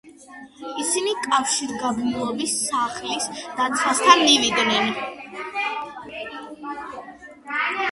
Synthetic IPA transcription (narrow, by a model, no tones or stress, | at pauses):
isinikʼafʃiɾɡabnulˠɔbisːaχlisd̪̥at̪sʰwast̪ʰanmivid̪nɛn